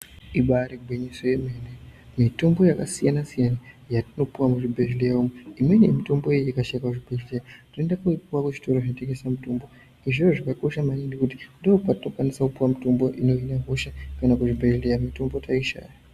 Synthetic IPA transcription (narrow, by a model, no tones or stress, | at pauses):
iɓaɾeɡʱweɲiso̞jemenemito̞mbo̞jakasijanasijana | jatino̞puwamuʐibʱeʒlejaumuimwe̞nemito̞mbo̞ejikaʃakakuʐibʱeʒlejatine̞ndakuipuwakweʐi̥to̞ɾoʐinote̞ŋɡe̞samutombo̞ | iʐooʐakako̞ʃamaniŋɡikuti̥ndoopatino̞kwanisakupuwamito̞mbo̞ʔino̞inaɦo̞ʃakanakuʐibʱeʐlejamito̞mbo̞taiʃa̰ja